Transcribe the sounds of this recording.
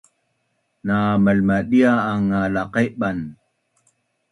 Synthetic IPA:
naməlmaɗiaːŋalaqeʔɓan

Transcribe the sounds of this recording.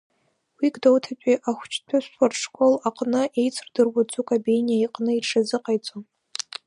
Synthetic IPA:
wiɡdowtʰat͡ʃʷʼiʔaχʷt͡ʃʰtʷʰaʃʷʰarʂkʷʼolaqʼnɨʔe̞jt͡sʰrdɨrwad͡zʷʼukʼabejnijaiqʼnɨiʈ͡ʂʰazɨqʼajt͡sʷʼon

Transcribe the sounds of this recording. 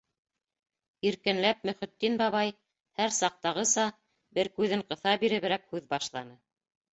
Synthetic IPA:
iɾkɘ̆nlæp̚mɵ̆χɵ̆t̪ːinbɑβɑj | hæɾsɑq̚t̪ɑʁɤsɑ | bɘɾkʉðɘɴqɤ̆θɑbiɾɘ̆βɘ̆ɾækhʉðbɑʃlˠɑnɤ

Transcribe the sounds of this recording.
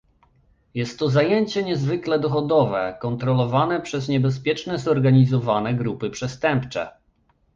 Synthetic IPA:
jɛst̪ːɔzajɛɲt͡ɕɛɲɛzvɘklɛd̪ɔxɔd̪ɔvɛ̰kɔnt̪ɾɔlɔvanɛpʂɛzɲɛbɛs̬pʲjɛt͡ʂnɛzɔɾɡaɲizɔvanɛɡɾupɘpʂɛst̪ɛmpt͡ʂɛ̰

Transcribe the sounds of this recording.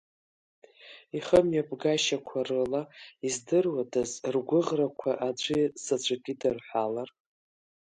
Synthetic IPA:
iχəmjapʼɡaʃakʷʰarɨlaizdɨrwadʰazrɡʷʊʁrakʷʰaʔad͡ʒʷʼisat͡ʃʷʰʼakʲʼidɨrħʷalar

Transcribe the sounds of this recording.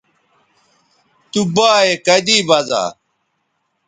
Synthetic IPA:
t̪ubaːekɐd̪iːbɐza̰ː

